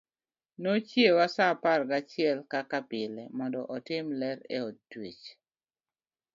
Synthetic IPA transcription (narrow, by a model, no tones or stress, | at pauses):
not͡ʃjewasaparɡat͡ʃɪɛlkakapɪlɛmɔndɔʔɔtɪmlɛɾḛɔtːwit͡ʃ